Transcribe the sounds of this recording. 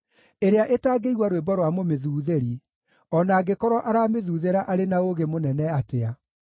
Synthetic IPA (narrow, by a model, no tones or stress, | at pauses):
eɾeaʔetaːɡeiɣwaɾwebɔɾwamomeðuːðeɾi | ɔnaːɡekɔɾwɔʔaɾaːmeðuːðeɾaʔaɾenaoɣemonɛnɛatea